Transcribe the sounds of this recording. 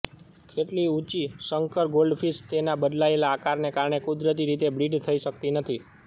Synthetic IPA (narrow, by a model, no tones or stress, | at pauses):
kʰeʈliut͡ʃisəŋkəɾɡolɖfʰist̪enabəd̪laelaːkaɾnekaɾɳekud̪ɾət̪̬iɾit̪ebɾiɖt̪ʰəiʃəkt̪inət̪ʰi